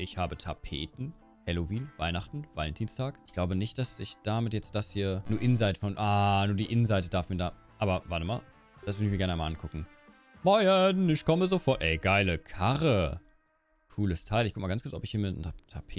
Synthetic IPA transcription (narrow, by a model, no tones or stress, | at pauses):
ʔɪçhaːbətʰapʰḛːtn̩ | hɛloviːnv̥aɪnaχtn̩v̥alɛntʰiːnstʰaːkɪçɡ̥laʊbənɪçt̚d̥asɪçd̥amɪtjɛt͡std̥ashiːɐnuːɐʔɪnzaɪtə̥fɔnʔaːnuːɐdiːʔɪnnzaɪtəd̥aːɐfmiːɐdaː | ʔaːbɐvaɐtəma̰ːl | d̥asvʏʁdɪçmiːɐɡɛɐnʔaɪma̰ʔankʰʊkŋ̩ | maɪənɪçkʰɔməzofɔɐtʔɛɪɡaɪləkʰaʁə | kʰuːləstʰaɪlʔɪçkʊkmalɡant͡skʊɐt͡sɔpɪçhiːɐmɪtn̩tʰapʰeː